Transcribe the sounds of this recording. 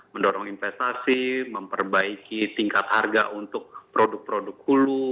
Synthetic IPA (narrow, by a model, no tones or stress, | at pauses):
məndɔɾɔŋinfɛst̪asiməmpərbaikit̪iŋkat̪harɡa̰ʔunt̪ʊk̚pɾodʊk̚pɾodʊk̚hulu